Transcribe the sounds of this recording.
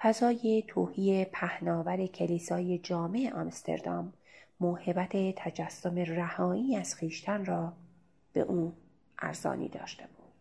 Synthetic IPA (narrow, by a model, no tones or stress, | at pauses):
fæzɒːjet̪ʰoːhiːepʰæhnɒːvæɾe̞cʰeliːsɒːje̞d͡ʒɒːmeʔeʔɒmst̪ʰe̞̰ɾd̪ɒmː | oːhe̞bæt̪ʰe̞t̪ʰæd͡ʒæsːome̞ræhɒːiːæz̥xiːʃt̪ʰænrɒː | b̥e̞̰ʔuː | ʔæ̰ɾzɒ̰ːnḭːd̪ɒ̰ːʃt̪e̞buːd̪̥